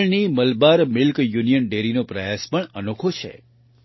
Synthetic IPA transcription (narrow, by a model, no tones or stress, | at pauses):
ɭniməlbaɾmɪlkjunijənɖeɾinopɾəjaspəɳənokʰot͡ʃʰḛ